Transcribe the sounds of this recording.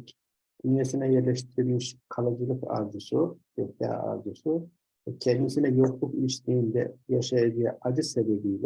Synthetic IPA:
d̪̥ynjesinɛjɛɾlʲɛʃt̪ʰiɾiɾʲmiʃkʰalˠad͡ʒɯlˠɯka̰ɾzusujokt̪a̰a̰ɾzusu | vɛcʰɛnd̪isinɛjo̞qlˠukiʃt̪ʰiːnd̪ɛ̰jaʃajed͡ʒijɛ̰ʔad͡ʒɯsebebijlʲɛ

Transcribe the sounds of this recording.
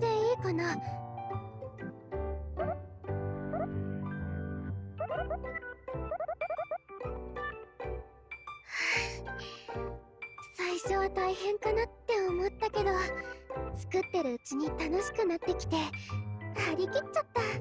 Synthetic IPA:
eiːko̞no | ha | saiɕo̞βat̪aihẽ̞ŋkanat̪ːe̞omo̞t̪ːake̞d̪o | t͡sɨ̥kɯ̟t̪ːe̞ɾɯ̟ɯt͡ɕiɲ̟it̪ano̞ɕi̥kɯ̟nat̪ːe̞kʲi̥t̪e̞ | haɾʲikʲit͡ɕt͡ɕːat̪ːa

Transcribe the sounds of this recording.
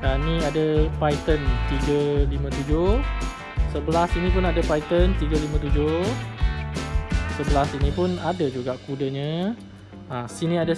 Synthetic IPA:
danĩadəpajt̪ənt̪iɡəlimə̃t̪ud͡ʒʊh | səbəlasinĩpʊnadəpajt̪ənt̪iɡəlimãt̪ud͡ʒʊ | səbəlasinĩpʊnadəd͡ʒuɡaʔkudəɲə̃ː | sinĩadə

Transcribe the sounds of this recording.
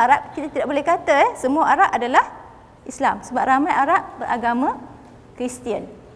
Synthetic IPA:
ʔaɾaʔ̚kit̪at̪idaʔ̚bolɛhkat̪aɛsəmuaʔaɾaʔadalah | ʔislamsəbap̚ramãjaɾaʔ̚bəɾʔaɡamã | kɾist̪iən

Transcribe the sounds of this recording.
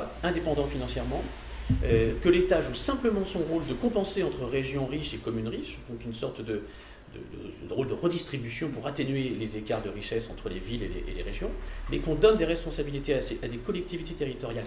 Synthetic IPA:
ɛ̃d̪epɑ̃d̪ɑ̃finɑ̃sjɛʁmɑ̃ | økəlet̪aʒusɛ̃pləmɑ̃sɔ̃ʁold̪əkɔ̃pɑ̃seɑ̃t̪χəʁeʒjɔ̃ʁiʃekɔmynʁiʃd̪ɔ̃kynsɔʁt̪d̪ə | d̪ə̰d̪ə̰ʁold̪əʁəd̪ist̪χibysjɔ̃puʁat̪enɥelezekaʁd̪əʁiʃɛsɑ̰̃t̪χəlevilelḛʔḛlḛʁeʒjɔ̃mɛkɔ̃d̪ɔnd̪eʁɛspɔ̃sabilit̪easead̪ekɔlɛk̚t̪ivit̪et̪eʁit̪ɔʁjal

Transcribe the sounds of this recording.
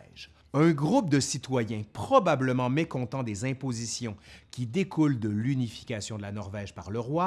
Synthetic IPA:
ɛʒ | ɛ̃ɡʁup̚d̪əsit̪wajɛ̃pχɔbabləmɑ̃mekɔ̃t̪ɑ̃d̪ezɛ̃pozisjɔ̃kʲid̪ekʰuld̪əlynifi̥kʲasjɔ̃d̪əlanɔʁvɛʒpaʁləʁwa

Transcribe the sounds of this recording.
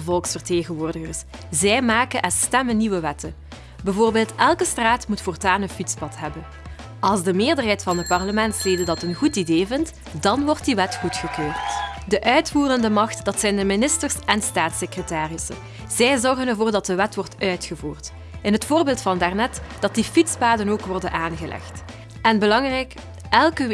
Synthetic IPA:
vɔlˠksfərteːɣənʋoːrdəɣərszɛjmaːkənʔɛstɛmənːiʋəʋɛtən | bəvoːrbeːlˠtɛlˠkəstraːtmutfɔrtaːnəfitspɑtɦɛbən | ʔɑlˠzdəmɪːrdərɦɛjtfɑnət̚pɑrləmɛntsleːdədɑtənɣutideːvɪnt | dɑnʋɔrt̚diʋɛtxutxəkøːrtdəʔœɥtfuːrəndəmɑxtd̥ɑtsɛjndəmɪnɪstərsɛnstaːtsekrətaːrɪsə̰ | z̥ɛjzɔrɣənərvoːrdɑt̚dəʋɛtʋɔrtœɥtxəvuːrt | ɪnɦətfoːrbeːlˠtfɑndɛrnɛtd̥ɑt̚difitspaːdənoːkʋɔrdənʔaːnɣəlʔɛ̰xt | ɛnbəlɑŋrɛjk | ɛlˠkə

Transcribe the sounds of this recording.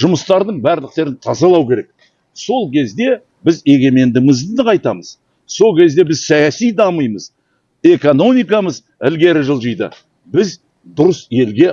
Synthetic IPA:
ʒʊməst̪ɑɾd̪əɴbæɾlɪk̚t̪e̞ɾɪnt̪ʰɑzɑlˠɑwkʲʰe̞ɾe̞k̚ | so̞lˠkʲʰe̞zd̪e̞ | bɪze̞ɡʲe̞me̞nd̪ɪmɪzd̪ɪd̪əqʰɑjt̪ɑməz̥ | so̞lˠkʲʰe̞zd̪e̞bɪzsɑjɑsijd̪ɑməjməz | e̞ko̞no̞mijkɑməz | ɪlɡʲe̞ɾɪʒəlˠʒəjd̪ə̰ | bɪz | d̪ʊɾəse̞lɡʲe̞

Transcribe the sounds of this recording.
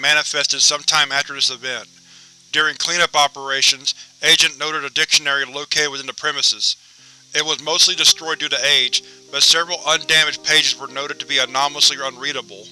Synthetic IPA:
mænɨfɛstɨd̥sʌ̃mtʰãɪ̃mæftə˞ðɪsɨvɛ̃n | d̥ʊɹɪ̃ŋkʰl̥ĩñʌpɑpə˞eɪʃɨ̃nz̥eɪd͡ʒɨ̃nnoʊɾɨɾɨdɪkʃɨnɛɹiloʊkʰeɪɾ̚wɨθɪ̃nðɨpʰɹ̥ɛmɨsɨz̥ | ɨt̚wʌzmoʊstˡlidɨstɹ̥ɔɪdʉɾɨeɪd͡ʒb̥ʌtsɛvɹl̩ˠə̃ndæmɨd͡ʒ̚pʰeɪd͡ʒɨzwə˞noʊɾɨd̚tʰɨbiɨnɑml̩əsliə˞ʌ̃nɹiɾəbl̩ˠ

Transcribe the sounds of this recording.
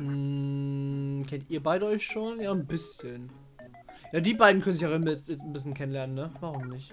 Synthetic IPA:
mm̩ | kʰɛntʔiːɐbaɪɾəɔʏçʃoːnjaːnbɪsçən | jaːdiːbaɪdn̩kœnənzɪçjaʁɪnmjɛt͡stjɛt͡sn̩bɪs̬çənkʰɛnənlɛɐnənːəvaːʁ̞ʊmnɪç

